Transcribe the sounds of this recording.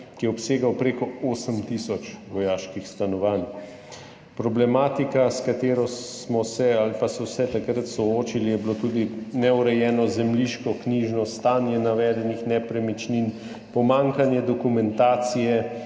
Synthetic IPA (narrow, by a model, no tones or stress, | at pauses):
kijɛɔpseːɡawpɾeːkɔoːsəmt̪isɔt͡ʃʋɔjaːʃkixst̪anɔʋan | pɾɔblɛmaːt̪ikaskat̪eːɾɔsmɔsɛalipasɛwsɛt̪akɾət̪sɔoːt͡ʃilijɛbilot̪uːd̪inɛuɾɛjɛːnɔzɛmliʃkɔkniːʒnɔst̪aːnjɛnaʋɛːd̪ɛnixnɛpɾɛmit͡ʃnin | pɔmaːŋkanjɛd̪ɔkumɛnt̪aːt̪sijɛ